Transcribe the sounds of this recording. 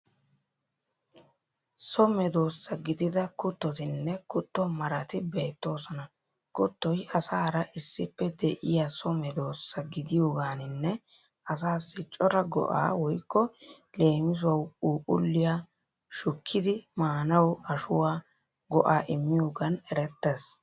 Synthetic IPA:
sɔmɛd̪o̞ːsːɐɡɪd̪ɪd̪ɐkʊt̪ːɔt̪ɪnːɛkʊt̪ːɔmɐɾɐt̪ɪbe̞ːt̪ːo̞ːsɔnɐ | kʊt̪ːɔjɐsaːɾɐʔɪsːɪpːɛd̪ɛʔɪjasɔmɛd̪o̞ːsːɐɡɪd̪ɪjoːɡaːnɪnːɛ | ɐs̬aːsːɪt͡ʃʼːɔɾɐɡɔ̰ʔa̰ːwɔjkːɔ | le̞ːmɪs̬ʊɐwuːʔʊ̰lːɪja | ʃʊkʰːɪd̪ɪmaːnɐwɐʃʊwaː | ɡɔʔaːʔɪmːɪjoːɡɐnɛɾɛt̪ːes

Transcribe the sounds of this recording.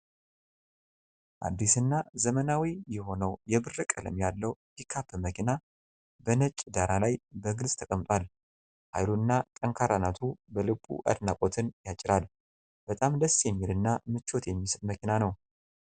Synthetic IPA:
ʔa̰d̪ːisɨnːazəmənawijɛho̞nəwjɛbɨrːɨkʼələ̰mjalːəwbikʰːapːɨməkʰina | bənət͡ʃʼːd̪aɾalajbəɡɨlsʼt̪ʰəkʼəmt̪ʼwal | ha̰jlunːat̪ʼəŋkʰaɾanat̪ʰubəlɨkʼːṵʔa̰d̪nakʼo̞t̪ʰɨnjat͡ʃʼːɪɾal | b̥ət̪ʼamd̪əsjɛmːilɨnːamɨt͡ʃːo̞t̪jɛmːisɨt̪ʼməkʰinanəw

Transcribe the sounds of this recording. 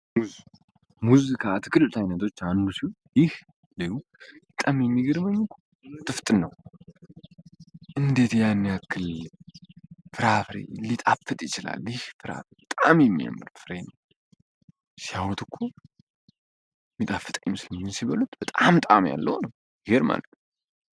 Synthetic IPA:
muz | muzikʰat̪ʰɨ̥kɨlt̪ʰajnət̪ʰo̞t͡ʃːand̪usiwo | jɪh | leɡu | bət̪ʼamjɛmːiɡɨɾməɲːɪkʰo̥ | t̪ʼɨft̪ʼɨnːəw | ʔɨnd̪et̪janːijakːɨl | fɨɾafɾḛlːit̪ʼafɨt̪ʼjɪt͡ʃɪla̰ljɪhfɨɾa̰bət̪ʼamjɛmːija̰mːɨɾfɨɾenəw | sjawɔt̪ɨkʰːo | mːit̪ʼafɨt̪ʼəɲːɪmɨslmɲːɪnsiβəlut̪b̥ət̪ʼamt̪ʼamja̰lːə̰wnəw | ɡeɾma̰lət̪nə

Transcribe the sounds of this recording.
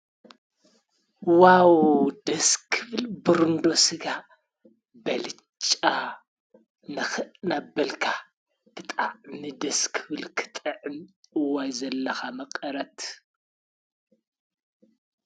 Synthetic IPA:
wawd̪ɐskʰɨβɨlbɨɾɨnd̪o̞sɨɡa | bɐlɨ | t͡ʃʼːa | nɐnabːɐlkʰa | tʰɨt̪ʼaʕnid̪ɐskʰɨβɨlkʰɨ̥t̪ʼɐʕɨnɨwajzɐlːɐxamɐqʼɐɾɐt̪

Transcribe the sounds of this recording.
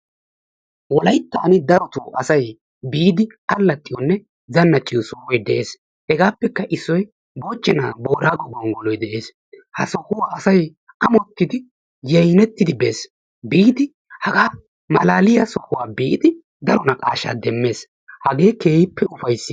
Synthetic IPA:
wɔlɐjt̪ːaːnɪd̪ɐɾɔt̪ʊːʔɐsɐj | biːd̪ɪ | ɐlːɐt̪ʼːɪjɔnːɛ | zɐnːɐt͡ʃʼːɪjɔsɔhɔjd̪ɛʔeːs | hɛɡaːpːɛkːɐʔɪsːɔj | bo̞ːt͡ʃːɛna̰ːbo̞ːɾaːɡɔɡɔŋɡɔlɔjd̪ɛʔe̞ːs | hɐsɔhʊwaːsɐj | ʔɐmɔt̪ːɪd̪ɪ | jɐjnɛt̪ːɪd̪ɪbeːs | biːd̪ɪ | hɐɡaː | mɐlaːlɪjɐsɔhʊwaːbiːʔɪd̪ɪ | d̪ɐɾɔnɐkʼa̰ːʃa̰ːd̪ɛmːeːs | hɐɡe̞ːke̞ːjɪpːɛʊfɐjsːɪ

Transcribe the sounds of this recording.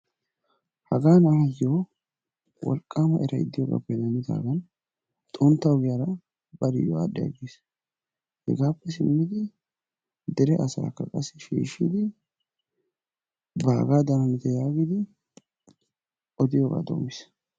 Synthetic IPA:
hɐɡaːnɐjjoː | wɔ̰lkʼːaːmɐʔɛɾɐɪ̰d̪ːɪjoɡa̰ːpːɛd̪ɐnɪt̪a̰ːɡɐn | t̪ʼɔnt̪ːɐwɡɪjɐɾɐ | bɐɾɪjo̰aɗːɛɐ̰ɡiːs | hɛ̰ɡaːpːɛsɪmːɪd̪ɪ | d̪ɛɾɛʔɐsa̰ːkːɐkʼɐsːɛʃḭːʃḭːd̪ɪ | baːɡaːd̪ɐnɐnɪt̪ɐjaːɡɪd̪ɪ | ʔɔd̪ɪjoːɡa̰ːd̪o̰ːmɪs

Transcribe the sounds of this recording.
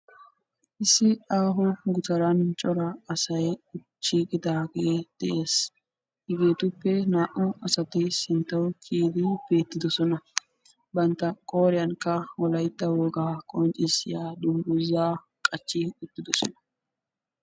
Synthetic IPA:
ʔɪsːɪaːɦɔɡʊt̪ɐɾɐnt͡ʃʼɔɾɐːsɐjʊt͡ʃːiːkʼɪd̪aːɡed̪̥ɛʔe̞ːs | hɪɡe̞ːt̪ʊpːɛnaːʔɔɐsɐt̪ɪsɪnt̪ːɐwkʰiːd̪ɪb̥e̞ːt̪ːɪd̪ɔsɔnɐ | bɐnt̪ːɐkʼoːɾɪjɐŋkːɐwɔlɐjt̪ːɐwɔɡaːkʼɔnt͡ʃʼɪsɪjaːd̪ʊmɡʊzːaː | kʼɐt͡ʃːɪʊt̪ːɪd̪ɔsɔ̰nɐ̥

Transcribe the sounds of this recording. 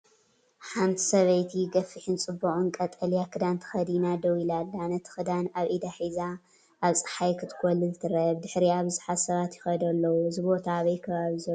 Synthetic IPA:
ħant̪ʰi̥sɐβɐjt̪ʰiɡɐfɨħɪnt͡sʼɨbːɐʔʼunkʼɐt̪ʼɐljakʰɨd̪ant̪ʰɐ̥xɐd̪inad̪ɐwilalːanɐt̪ʰɨ̥xɨd̪anaβʔid̪aħiza | ʔaβt͡sʼɨ̥ħajkʰɨt̪ʰɨ̥kʰʼɔlːɨzɨt̪ʰɨɾɐβd̪ɨħɾiaβzɨħassɐβat̪jɪxɐd̪ɐlːɐwuzɨbo̞t̪ʰaːβɐjkʰɐβaβizɐ

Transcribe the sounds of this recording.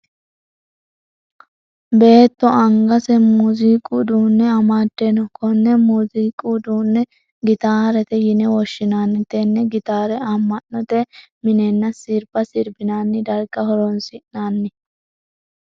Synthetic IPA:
be̞ːt̪ːɔɐŋɡɐsɛmuziːkʼud̪uːnːɛɐmaːd̪ːenɔkɔnːɛmuːziːkʼud̪uːnːɛ | ɡɪt̪aːɾɛt̪ɛjɪnɛwɔʃːɪnaːnːɪt̪ɛnːɛɡɪt̪aːɾɛɐmːɐnːɔt̪ɛmɪnɛnːɐsɪɾbɐsɪɾbɪnaːnːɪd̪ɐɾɡɐhɔɾonsɪʔnaːnːɪ

